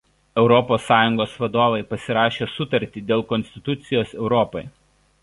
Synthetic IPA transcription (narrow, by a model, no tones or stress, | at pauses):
ɛʊɾɔpoːsːɑːjʊŋɡoːsʋɐd̪oːʋɐɪpɐsʲɪɾɑːʃʲeːsʊt̪ɐɾʲt̪ʲiːd̪ʲeːlˠkɔnʲsʲt̪ʲɪt̪ʊt̪sʲɪjoːsɛʊɾɔːpɔɪ